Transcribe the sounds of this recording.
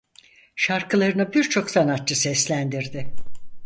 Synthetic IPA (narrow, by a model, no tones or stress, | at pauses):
ʃaɾkʰɯlˠaɾɯnɯbiɾt͡ʃʰo̞ksanat̪t͡ʃɯsɛslʲænd̪iɾd̪ɪ